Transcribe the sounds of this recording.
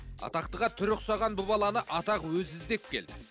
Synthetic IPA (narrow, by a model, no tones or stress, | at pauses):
ɑ̰t̪ɑqt̪əʁɑt̪ʰʏɾʏqsɑʁɑnbʊbɑlˠɑnəʔɑt̪ɑqwɵzɪzd̪e̞p̚kʲʰe̞ld̪ɪ